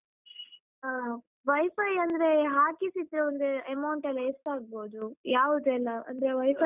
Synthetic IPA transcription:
ʋɐjfɐjɐnd̪ɐɾeɦaːkisit̪ːɾeond̪eɐmɐwɳʈɐlːɐesʈaːɡ̚boːd̪ujaːʋud̪uɛlːɐɐ̰nd̪ɐɾeʋɐjfɐ

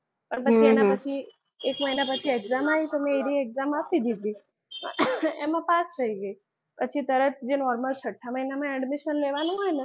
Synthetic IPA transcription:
pəɳpət͡ʃʰienapət͡ʃʰi | ekməjnapət͡ʃʰieɡzamait̪omẽiɾieɡzamapid̪id̪ʱḭ | emãpast̪ʰəiɡəi | pət͡ʃʰit̪əɾət̪̚d͡ʒenɔɾməlt͡ʃʰəʈʰːaməjnamãɛɖmiʃənleʋanũɦɔjne

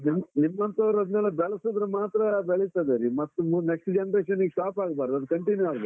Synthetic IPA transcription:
nimnimːɐnt̪ɐʋɾɐd̪nɛːlɐbɛɭɐsoːd̪ɾɐmaːt̪ɾɐbɛɭit̪ad̪eɾimɐt̪ːumnekʂsʈd͡ʒenɐɾeːʃɐnːiɡsʈaːpaːɡbaːɾd̪uɐd̪kɐɳʈinjuaːɡb̪

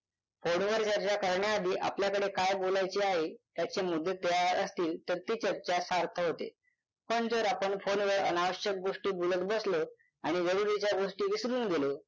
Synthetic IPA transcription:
fonʋəɾt͡ɕəɾt͡ɕakəɾɳjaːd̪ʱiːʔa̰pljakəɽekajbolajt͡ɕiːaɦet̪jat͡ɕemud̪ʱːet̪jaəst̪iːlt̪əɾt̪iːt͡ɕəɾt͡ɕasaɾt̪ʰəɦot̪ḛ | pəɳd͡zəɾapəɳfonʋəɾə̰naʋəɕjək̚ɡoʂʈiːbulət̪bəslo | aɽ̃id͡zəɾuɾit͡ɕjaɡoʂʈiːʋisɾuːnɡelo

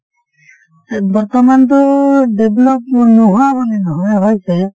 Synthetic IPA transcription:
bɔɹt̪ɔmant̪ʊdeblɔp̚nuɦuabɔnɛnɔɦɔjɦɔjsɛ

